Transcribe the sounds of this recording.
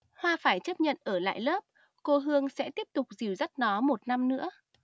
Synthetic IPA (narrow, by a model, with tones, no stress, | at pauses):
hwaː˧faː˧˩jt͡ɕə˦˥p̚ɲə̰˧˨nʔəː˧˩la̰ː˧˨jləː˦˥p̚ | ko˧ɦɨ˧əŋsɛ̰˧˥t̪i˦˥əp̚t̪ʊ˨˩k͡p̚zi˨˩wzə˦˥t̚nɔ˨˦mo˨˩t̚na˧mnɨ̰˧˥ə